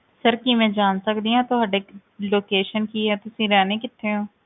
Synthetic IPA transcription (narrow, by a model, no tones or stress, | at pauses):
səɾkimɛ̃ːd͡ʒaːnsəkd̪iãːt̪oːɦɐɖeː | loːkeːʃənkiɦɛːt̪ʊsĩːɾɛːneːkɪt̪ʰːeːɦõː